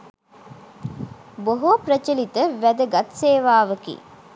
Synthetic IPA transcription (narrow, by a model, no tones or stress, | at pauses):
boɦopɾət͡ʃəlit̪əʋæd̪əɡɐt̪seːʋaːʋəkḭː